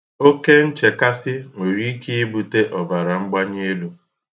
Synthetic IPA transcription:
o˦ke˦n̩˦t͡ʃe˨ka˦sɪ˦ŋʷe˨ɾi˦ki˦i˦bu˨te˦ʔɔ˨va˨ɾa˨ŋ͡m̩˦ɡ͡ba˦ɲe˦lu˦

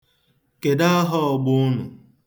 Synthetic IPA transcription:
ke˨da˦ɦɔ˦ɔ˨ɡ͡bʊ˦ʊ˦nʊ˨

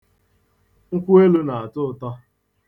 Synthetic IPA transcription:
ŋ̩˦kʷu˦e˦lu˦na˨a˨tʊ˦ʊ˨tɔ˦

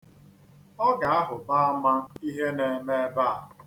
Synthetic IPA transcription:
ɔ˦ɡa˨a˦ɦʊ˨ba˦a˦ma˦n̩˦i˦ɦe˦ne˨me˦ba˦˨

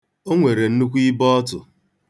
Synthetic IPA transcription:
o˦ŋʷe˨ɾe˨n̩˦nu˦kʷi˦bɔ˦tʊ˨

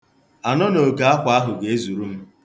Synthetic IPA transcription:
a˨nɔ˦no˨ɡa˨a˦kʷa˦ɦʊ˨ɡe˨e˦zu˨ɾu˦m̩˦

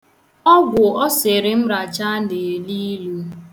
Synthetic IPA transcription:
ɔ˦ɡʷʊ˨ɔ˦sɪ˨ɾɪ˨m̩˦ɾa˨t͡ʃa˦ne˨li˦lu˦

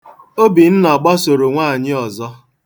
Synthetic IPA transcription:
o˦bi˨n̩˦nɔ˨ɡ͡ba˦so˨ɾo˨ŋʷaː˦˨ɲɪ˦ɔ˨zɔ˦

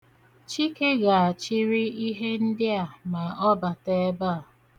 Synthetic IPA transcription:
t͡ʃi˦ke˦ɡa˨a˨t͡ʃi˦ɾi˦i˦ɦe˦n̩˦dɪ˦a˨ma˨ɔ˦ba˨te˦ba˦a˨

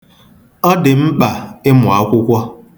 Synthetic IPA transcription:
ɔ˦dɪ˨m̩˦k͡pa˨ɪ˦mʊ˨a˦kʷʊ˦kʷɔ˦

